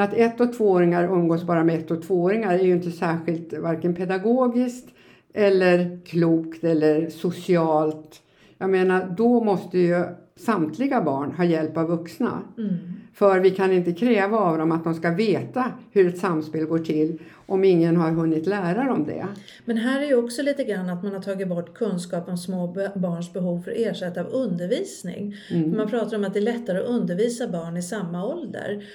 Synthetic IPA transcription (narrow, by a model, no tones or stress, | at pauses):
at̪ɛt̪ːɔt̪ʰvoːoːɾɪŋaɾɵmːɡoːsbɑːɾamɛɛt̪ːɔt̪ʰv̥oːoːɾɪŋaɾɛɾjʏɪnt̪əsæːɧɪlt̪vaɾkənpʰɛd̪aɡoːɡɪskt̪ | ʔɛlːəɾkʰluːkt̪ɛlːəɾsʊsɪɑːlt̪ | jɑːɡmeːnaɖɔmɔst̪əjɵ | samt̪ʰlɪɡabɑːɳɦɑːjɛlpavːɵksna̰ | fœɾvɪkʰanɪnt̪əkʰɾɛːvaːvd̪ɔmat̪̚d̪ɔmskaveːt̪ahɵɾɛt̪samːspeːlɡoːʈʰɪlː | ʔɔmɪŋːənɦaɾɦɵnːɪt̪læːɾaɾɔmd̪ɛ̰ | mɛnɦæːɾæɾjəɔksɔliːt̪əɡɾanːat̪manhaʈʰɑːɡɪt̪̚bɔʈːkʰɵnskɑːpɔmsmoːbɑːɳʂbɛɦuːvfœɾʔeːʂɛt̪ːavɵnd̪əɾviːsnɪ̰ŋmanpʰɾɑːt̪aɾɔmat̪̚d̪ɛːɭɛt̪ːaɾəɔʔɵnd̪əɾviːsabɑːɳɪsamːaɔld̪ə̰ɾ